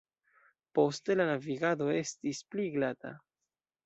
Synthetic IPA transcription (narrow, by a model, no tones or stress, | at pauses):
po̞ste̞lanaviɡado̞e̞stispliɡlata̰